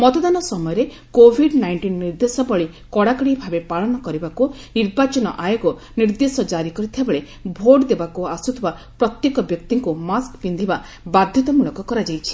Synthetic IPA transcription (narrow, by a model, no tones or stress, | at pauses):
mɔt̪ɔd̪anɔsɔmɔjɔɾe | kobʱiɖnajɳʈinːiɾd̪esɔbɔɭi | kɔɽakɔɽibʱabepaɭɔnɔkɔɾibaku | niɾbat͡ʃɔnɔ̰ʔajoɡɔ | niɾd̪esɔd͡ʒaɾikɔɾit̪ʰiebeɭe | bʱoɖd̪ebakuasut̪ʰibapɾɔt̪jekɔbjɔkt̪iŋkumaskbind̪ʱiba | bad̪ʱjɔt̪ɔmuɭɔkɔkɔɾad͡ʒajt͡ʃʰi̥